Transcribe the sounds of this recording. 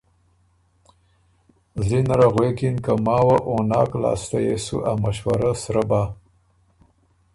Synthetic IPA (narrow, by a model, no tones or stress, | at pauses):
zinaɾaɣwekinkamɑːwaʔonɑːkla̰ːst̪ajesṵʔamaʃwa̰ɾasɾaba